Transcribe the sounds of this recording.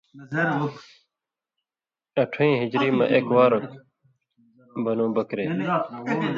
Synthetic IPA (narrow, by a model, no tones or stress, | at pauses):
ɐʈʰĩːɦid͡ʑɾiːmɐ̰̃ʔekwaːɾɐ | bʱɐnũːbɐkɾeː